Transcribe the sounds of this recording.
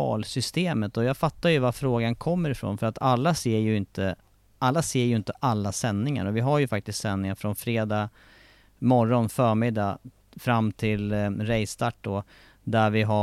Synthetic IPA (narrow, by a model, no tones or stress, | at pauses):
ɑ̰ːlsʏst̪eːmət̪ɔjɑːɡfat̪ːaɾjɵvaɾfɾoːɡankʰɔmːəɾɪfɾo̰ːnfœɾat̪ʰalːaseːjɵɪnt̪ə | ʔalːaseːɾjɵɪnt̪əʔalːasɛnːɪŋa̰ɾɔvɪɦaɾjɵfak̚t̪ɪst̪sɛnːɪŋaɾfɾɔnfɾeːd̪ɑ | mɔɾːɔnfœːɾmɪd̪ːa | fɾamːt̪ʰɪlɾɛjst̪ʰaʈ̚ːd̪ɔ | d̪æɾvɪɦa